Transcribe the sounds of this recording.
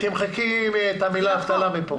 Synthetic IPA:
t̪imχekimet̪hamilaaft̪alamipo

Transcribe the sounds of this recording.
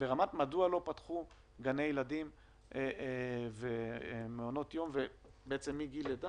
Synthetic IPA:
b̥eʁamatmadualo̞patχu | ɡanejeladim | vemeono̞tjo̞mvebeet͡se̞mːiɡileda

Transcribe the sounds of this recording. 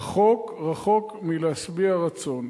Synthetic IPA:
χo̞kʁaχo̞kmileasbiaʁat͡so̞n

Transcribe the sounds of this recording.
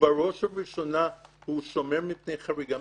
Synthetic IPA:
baʁoʃabiʃo̞nahuʃo̞meʁmipne̞jχaʁiɡa

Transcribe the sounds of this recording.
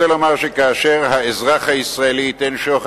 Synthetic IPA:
elomaʁʃekaːʃe̞ʁhaezʁaχhaisʁaeliːt̪enʃoχ

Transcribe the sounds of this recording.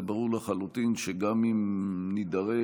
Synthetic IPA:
baʁuʁlaχalut̪inʃeɡamimnid̪aʁe

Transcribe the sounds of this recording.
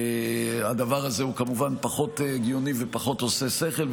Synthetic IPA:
ad̪avaʁazeukamuvanpaχo̞teɡijo̞nive̞paχo̞t̪ose̞seχe̞l

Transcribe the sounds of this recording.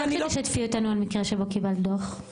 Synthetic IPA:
aʃat̪fiot̪anualmikʁeʃebo̞kibald̪oχ

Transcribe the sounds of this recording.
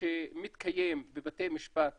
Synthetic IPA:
emit̪kʰajembebat̪ejmiʃpat̪

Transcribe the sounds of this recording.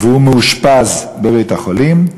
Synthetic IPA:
vehumeuʃpaz | bevejt̪haχolim

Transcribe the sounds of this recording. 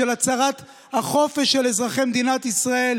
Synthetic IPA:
elat͡saʁat̪ | haχo̞feʃelezʁaχemd̪inat̪isʁae̞l

